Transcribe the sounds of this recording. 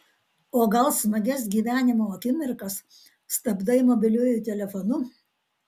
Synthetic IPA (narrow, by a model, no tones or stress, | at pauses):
oːɡɐlˠsmɐɡʲɛs̬ɡʲiːʋʲæːnʲɪmoːɐkʲɪmʲɪɾkɐs | st̪ɐbd̪ɐɪmoːbʲɪlʲʊːjʊt̪ʲɛlʲɛfɔnʊ